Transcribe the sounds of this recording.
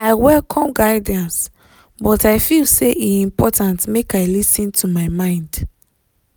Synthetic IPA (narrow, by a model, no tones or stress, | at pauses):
aɪwɛlkʰɔ̃mɡaɪdãns | bɔtaɪfilseʔiĩmpɔtãntmekaɪlisĩntʰumaɪmãɪ̃nd